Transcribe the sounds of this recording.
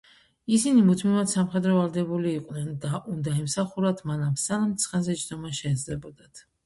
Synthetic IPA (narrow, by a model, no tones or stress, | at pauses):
isinimut̪ʰmivat̪samχɛd̪ɾɔvalˠd̪ɛbuliːqʼnɛnd̪aʔund̪aɛmsaχuɾat̪ʰmanamsanamt̪sʰχɛnzɛt͡ʃʰd̪ɔmaʃɛːd̪zlɛbɔd̪at̪ʰ